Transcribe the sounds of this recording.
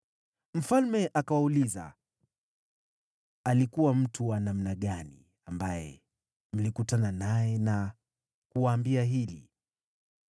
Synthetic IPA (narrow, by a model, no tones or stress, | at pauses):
m̩falmɛʔakawauliza̰ | alikuwam̩tʰuwanam̩naɠanḭ | ambajɛ̰ | m̩likutananajɛna | kuwaːmbiaɦilḭ